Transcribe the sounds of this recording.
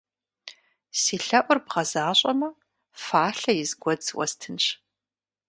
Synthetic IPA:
siːɬɐʔʷʊrbʁɐzaːɕʼɐmɐ | faːɬɐjɪzɡʷɔd͡zwɐ̰stʰɨnɕ

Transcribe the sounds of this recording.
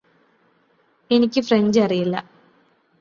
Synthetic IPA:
e̞nikʲːɨfreɲd͡ʑɐrijilːɐ̰

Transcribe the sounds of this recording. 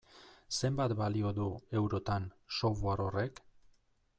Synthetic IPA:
se̞mbat̪balio̞ðue̞wɾo̞t̪ansoβoaɾo̞re̞k

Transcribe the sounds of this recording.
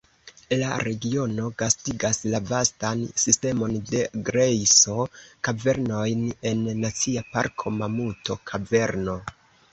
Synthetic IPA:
laɾe̞ɡio̞no̞ɡastiɡaslavastansiste̞mo̞nde̞ɡɾejso̞kave̞ɾno̞jne̞nːat͡siapa̰ɾkʰo̞mamuto̞kʰave̞ɾno̞

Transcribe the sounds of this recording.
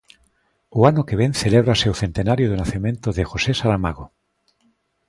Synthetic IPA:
oanokeβ̞enθeleβ̞ɾasewθẽ̞nt̪enaɾjoðonaθimẽnt̪oðexosesalamaɣo

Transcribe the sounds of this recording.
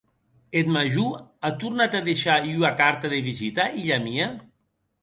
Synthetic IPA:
et̪maʒuat̪uɾnat̪aðeʃayakaɾt̪aðeβizit̪aʔiʎamia

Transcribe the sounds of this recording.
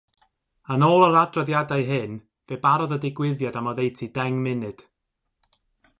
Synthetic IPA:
anoːlˠəɾadrɔðjadajɦɨn | vebaɾɔðədɪɡwɪðjadamɔðejtʰidɛŋmɪnɨd̥

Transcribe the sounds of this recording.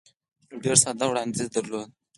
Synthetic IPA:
oɖeɾsad̪awɽɑnd̪id̪aɾlod̪̚

